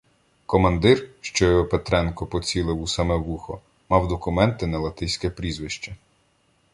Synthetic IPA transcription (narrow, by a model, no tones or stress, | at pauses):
kɔmɐnd̪ɪrʃt͡ʃɔjɔpet̪ɾɛnkɔpɔt͡sʲilˠɪwusɐmɛʋuxɔ | mɑwd̪ɔkʊmɛnt̪ɪnɐlˠɐt̪ɪjsʲkɛpɾʲizʋɪʃt͡ʃɐ